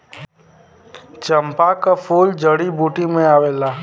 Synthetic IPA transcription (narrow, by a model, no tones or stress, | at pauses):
t͡ʃəmpakapʰuːld͡ʒəɽibuːʈimẽaːʋeːlaː